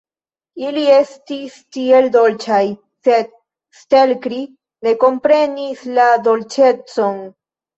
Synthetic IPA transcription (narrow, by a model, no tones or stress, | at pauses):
ilie̞stistieldo̞lt͡ʃaj | se̞d̚ | ste̞lkɾi | ne̞ko̞mpɾe̞nislad̪o̞lt͡ʃe̞t͡so̞n